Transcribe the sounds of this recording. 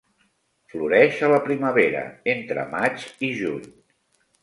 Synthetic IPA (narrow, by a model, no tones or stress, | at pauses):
fluɾɛʃələpɾiməβeɾə̰ent̪ɾə̰mat͡ʃiʒuɲ